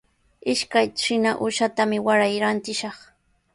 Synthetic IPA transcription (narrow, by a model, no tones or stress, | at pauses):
ɪʃkajʃɪnaʔʊʃat̪amɪwaɾajɾant̪ɪʃɑχ